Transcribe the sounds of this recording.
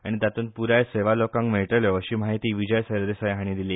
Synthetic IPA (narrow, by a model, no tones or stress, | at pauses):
aɽ̃id̪at̪uːnpuɾajseʋalokãŋkmeɭʈəljɔəɕiːmaɦit̪iːʋid͡ʑəjsəɾd̪esajɦaɽ̃iːd̪iliː